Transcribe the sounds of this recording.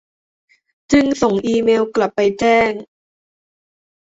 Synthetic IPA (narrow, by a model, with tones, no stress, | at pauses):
t͡ɕɯ˧ŋso˨˩˦ŋʔiː˧meː˧wkla˨˩pːa˧jt͡ɕɛː˥˩ŋ